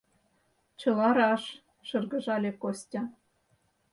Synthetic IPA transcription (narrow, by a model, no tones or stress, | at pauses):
t͡ɕɤ̆lɑɾɑʃ | ʃɤrɣɤ̆ʒɑlʲekosʲtʲɑ